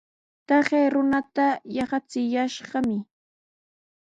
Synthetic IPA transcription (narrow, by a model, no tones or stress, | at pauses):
t̪ɑχejɾʊnat̪ajɑχɑt͡sɪjaʃɢɑmɪ